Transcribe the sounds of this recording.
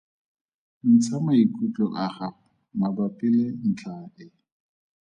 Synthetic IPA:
n̩t͡sʰamaikʼut͡ɬʼɔʔaχa | mabapʼɪlen̩t͡ɬʰaɪ

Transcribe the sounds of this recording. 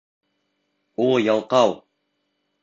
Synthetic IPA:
ulˠjɑlˠqɑw

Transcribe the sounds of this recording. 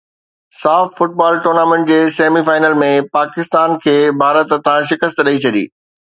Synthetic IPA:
saːffʊʈ̚baːlʈoːɾnaːmẽɳʈ̚d͡ʑeːseːmifaːɪnəlmẽpaːkɪst̪aːnkʰeːbʱaːɾət̪t̪ʰãʃɪkəst̪ɗɐit͡ɕʰɐɗḭː

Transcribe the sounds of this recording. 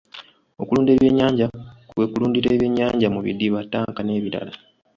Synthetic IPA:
o̞kuluːnde̞βje̞ɲːaːɲɟakwe̞kuluːndiɾeːβje̞ɲːaːɲɟamuβḭdːiβatːaːŋkane̞ːβiɾa̰la

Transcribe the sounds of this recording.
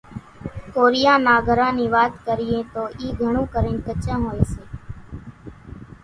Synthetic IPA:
koːɾɪjaːnaːɡʱəɾãːniːʋaːt̪kəɾɪjẽːt̪oːʔiːɡʱəɳ̃ũːkəɾẽːnkət͡ʃãːɦoːeːseː

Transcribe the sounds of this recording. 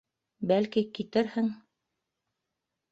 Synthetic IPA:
bælkikit̪ɘɾhɘŋ

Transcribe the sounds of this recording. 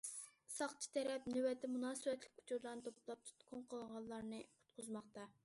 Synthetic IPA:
sɑχt͡ʃʰi̥t̪ʰɛɾɛpnywɛt̪ʰɛmunɑːsɨwɛt̪lɪ̥k̚ʲkʰːu̥t͡ʃʰuɾlˠɑɾnɨt̪ʰoplˠɑp̚t̪ʰu̥t̪kʰʊnqʰəlˠʁɑlˠːɑɾnɨʊ̥t̪̚qʊzmɑχt̪ɑ

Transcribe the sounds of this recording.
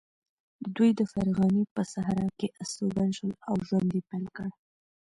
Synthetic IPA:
d̪əd̪ujd̪əfaɾɣɑnipəsaɦɾɑkeʔast̪oɡanʃəlawʒwand̪epajlkəɽ

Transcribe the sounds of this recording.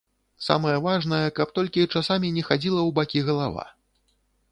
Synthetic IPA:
sa̰mɐjɛvaʐnɐjɛkɐp̚t̪ɔlʲkʲit͡ʂasamʲinʲɛxad͡zʲilˠɐwbakʲiɣɐlˠava̰

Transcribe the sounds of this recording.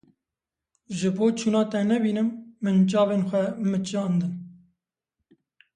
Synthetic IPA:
ʒɨboːt͡ʃʰuːnɑːt̪ɛnɛbiːnɨmːɨnt͡ʃɑːveːnxʷɛmɨt͡ʃɑːnd̪ɨn

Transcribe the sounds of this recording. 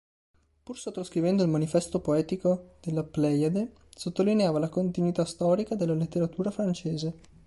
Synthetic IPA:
pursot̪ːɾoskɾivɛnd̪oilmanifɛst̪opoɛːt̪ikod̪̥elːaplɛjad̪e | sot̪ːolineaːvalakont̪inwit̪ast̪ɔːɾikad̪elːalet̪ːeɾat̪uːɾafɾant͡ʃeːze

